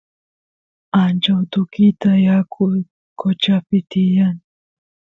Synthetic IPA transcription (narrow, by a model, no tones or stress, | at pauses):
ant͡ʃawt̪ʊkɪt̪ajakʰʊj | kot͡ʃapɪt̪ɪjaŋ